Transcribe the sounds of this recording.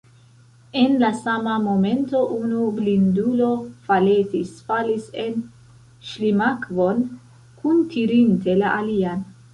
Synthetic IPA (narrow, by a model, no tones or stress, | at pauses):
e̞nlasamamo̞me̞nto̞ʔunublindulo̞fale̞tisfalise̞n | ʃlimakvo̞n | kuntʰiɾinte̞laʔalian